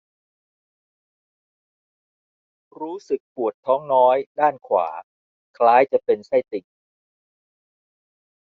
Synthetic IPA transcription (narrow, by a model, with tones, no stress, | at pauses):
ɾuː˦˥sɯ˨˩k̚pu˨˩ət̪ʰːɔː˦˥ŋnɔː˦˥jdaː˥˩nkʰwa̰ː˩˦ | kʰlaː˦˥jt͡ɕa˨˩pe˧nsa˥˩jt̪i˨˩k̚